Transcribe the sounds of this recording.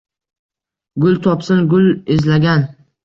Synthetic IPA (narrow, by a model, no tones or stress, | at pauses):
ɡʊlt̪ʰɒpsɪnɡʊlezlaɡʲan